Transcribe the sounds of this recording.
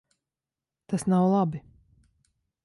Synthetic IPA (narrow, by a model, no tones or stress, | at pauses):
t̪asnawlˠabi